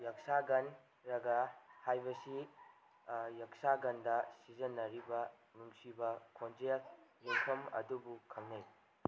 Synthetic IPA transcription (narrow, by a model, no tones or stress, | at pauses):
jɐksaɡɐn | ɾɐɡɐhajbɐsi | jɐksaɡɐndɐsizɐnːɐɾibɐ | nuŋsibɐkʰond͡ʒɾelːeŋkʰɐmɐ̰dubukʰɐŋnɐj